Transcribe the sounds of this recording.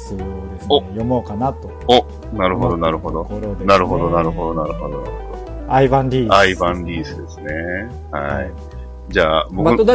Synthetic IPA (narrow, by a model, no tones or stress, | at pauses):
sod̪esojomoːkanat̪ːoo | naɾɯ̟ɦod̪o̞naɾɯ̟ho̞d̪oɾnaɾɯ̟ɦo̞d̪o̞naɾɯ̟ɦo̞d̪onaɾɯ̟hod̪ona̰ɾɯod̪o | aibãnɾʲiːaibãɲɾʲiːsɨd̪e̞sɨne̞ | ha̰i | d͡ʑaːboɯ